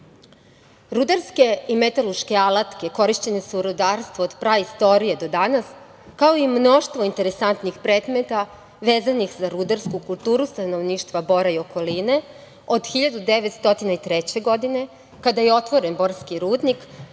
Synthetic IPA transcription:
ɾud̪aɾske̞imet̪alˠuʃke̞alˠat̪ke̞ko̞ɾiʃt͡ɕe̞ne̞suuɾud̪aːɾst̪ʋoːd̪pɾaist̪o̞ɾije̞d̪o̞d̪anas | kao̞imno̞ʃt̪ʋo̞int̪e̞ɾesant̪nixpɾeːd̪met̪a | ʋe̞ːzanixzaɾud̪aɾskukulˠt̪uːɾust̪ano̞ʋniːʃt̪ʋabo̞ɾaio̞ko̞line̞ | o̞d̪xiʎad̪ud̪eʋet̪st̪o̞t̪inait̪ɾet͡ɕe̞ɡo̞d̪ine̞ | kad̪aje̞o̞t̪ʋo̞ɾe̞nbo̞ɾskiɾuːd̪nik

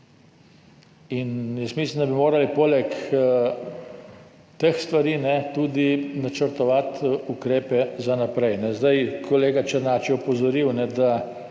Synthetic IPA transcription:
injəst̪mislind̪abimoːɾalipoːlɛk | t̪exst̪ʋaɾiːnɛt̪uːd̪inat͡ʃəɾt̪ɔʋat̪ukɾeːpɛzanapɾɛjnɛzd̪ajkʰɔleːɡat͡ʃəɾnaːt͡ʃiɔpɔzɔɾiwnɛd̪a

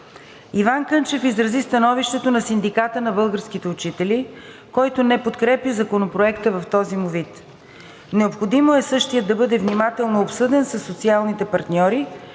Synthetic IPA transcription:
ivankɤnt͡ʃɛfizɾɐzist̪ɐnɔviʃt̪ɛt̪onɐsind̪ikat̪ənɐbɤlˠɡəɾskit̪ɛut͡ʃit̪ɛli | kɔjt̪onɛpot̪kɾɛpʲəzɐkonopɾoɛkt̪əvɐft̪ɔzimovit̪ | nɛopxod̪imoɛsɤʃt̪ijəd̪ːɐbɤd̪ɛvnimat̪ɛlˠnoopsɤd̪ɛnsɐsːot̪sialˠnit̪ɛpɐɾt̪nʲɔɾi

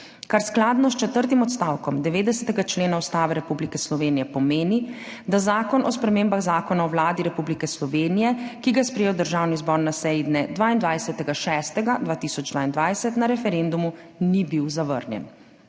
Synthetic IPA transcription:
kaɾsklaːd̪nɔst͡ʃɛt̪əɾt̪̬imɔt̪st̪aːwkɔmd̪ɛʋeːd̪ɛsɛt̪ɛɡat͡ʃleːnaust̪aːʋɛɾɛpublikɛslɔʋeːnijɛpɔmeːni | d̪azaːkɔnɔspɾɛmeːmbaɣzaːkɔnaɔwlaːd̪iɾɛpublikɛslɔʋeːnijɛkiɡajɛspɾɛjeːwd̪əɾʒaːwnizbɔɾnasɛjid̪nɛd̪ʋaːind̪ʋajsɛt̪ɛɡaʃɛːst̪ɛɡad̪ʋaːt̪isɔd͡ʒd̪ʋaːind̪ʋajsɛt̪naɾɛfɛɾend̪umu | nibiwzaʋə̰ɾnjɛ̰n

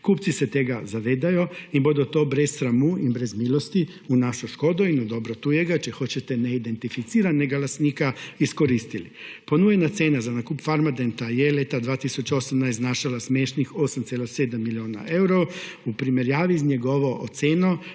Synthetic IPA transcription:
kuːptsiset̪eɡazaʋeːd̪ajoibod̪ot̪oːbɾessɾamuibɾezmiːlˠost̪i | unaʃoʃko̞d̪oinod̪o̞bɾot̪ujeɡat͡ʃixo̞t͡ɕet̪eneid̪e̞nt̪ifit̪siːɾanːeɡalast̪niːkaiskoɾiːst̪ilipo̞nujenat̪seːnazanakuːpfaɾmad̪ent̪ajelet̪ad̪ʋaːt̪isut͡ʃaosamnajsnaːʃalasmeʃnixosamt̪selaseːd̪amːilioːna̰ʔe̞wɾo | upɾimeɾjaːʋizɲeɡoʋoʔot̪seːno

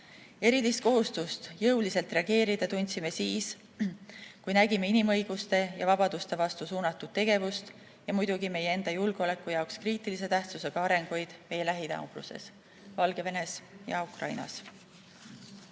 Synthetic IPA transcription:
eɾilist̪̚ko̞ɦust̪ust̪jɤwlise̞lt̪ˑre̞ɑɡ̥e̞ːɾid̪̥ɑt̪unʲt̪sime̞siːs | kujnæɡime̞inimɤ̞jɡ̥ust̪e̞jɑvɑb̥ɑd̪̥ust̪e̞vɑst̪usuːnɑt̪ːˑud̪̥̚t̪ːe̞ɡ̥e̞vust̪ | jɑmujd̪̥uɡime̞jee̞nd̪̥ɑjulɡ̥eo̞le̞kːˑujɑokskriːt̪ˑilis̬e̞t̪æht̪suse̞ɡ̥ɑɑɾe̞ŋɡ̥ojd̪̥me̞jelæɦid̪ɑ̰wɡ̥lṵse̞̰s | vɑlɡ̥e̞ve̞ne̞sjɑ̰ukrɑ̰jnɑ̰s

